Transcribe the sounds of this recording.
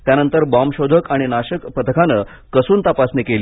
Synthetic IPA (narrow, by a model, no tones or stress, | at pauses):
t̪janənt̪əɾbɔmɕod̪ʱəkaɽ̃inaɕəkpət̪əkʰanəː | kəsuːnt̪apasnekeli